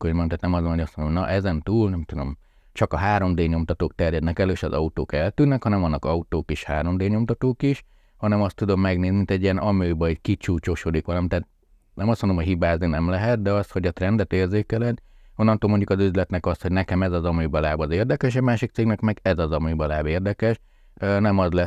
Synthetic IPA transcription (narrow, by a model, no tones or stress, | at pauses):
komomt̪aːt̪nɛmɒsonojɒsmononɒ̰ʔɛzɛnt̪uːlnɛmt̪ud̪o̞m | t͡ʃɒkɒɦaːɾo̞md̪eːɲo̞mt̪ɒt̪oːk̚t̪ɛrjɛd̪nɛkɛløːʃɒzɒut̪o̰ːkɛlt̪ynːɛkhɒnɛmɒnːɒkɒut̪oːkiʃhaːɾo̞md̪eːɲo̞mt̪ɒt̪oːkiʃ | hɒnɛmɒst̪ud̪o̞mːɛɡneːznimint̪ɛɟːiɛnɒmøːbɒikit͡ʃuːt͡ʃoʃod̪ikʋɒlɒmit̪aːt̪̚ | nɛmɒsmond̪omhocɦibaːzninɛmlɛɦɛt̪̚d̪ɛɒst̪ho̞ɟɒt̪rɛnd̪ɛt̪eːrzeːkɛlɛno̞nːɒnt̪oːlmo̞ɲɟukɒzyzlɛt̪nɛkɒst̪hoɟnɛkɛmɛzɒzɒmøbɒlaːbɒzeːrd̪ɛkɛʃ̬ɛmaːʃikt̪seːɡnɛkmɛɡɛzɒzɒmybɒlaːbeːrd̪ɛkɛʃ | nɛmɒzlɛ